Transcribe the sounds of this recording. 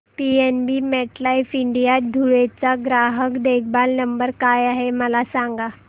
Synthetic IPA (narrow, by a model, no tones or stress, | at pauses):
pienbiːmɛʈlaifiɳɖijat̪̚d̪ʱuɭet͡saɡɾaɦəkd̪ek̚ʰbalnəmbəɾkajaɦeməlasaŋɡa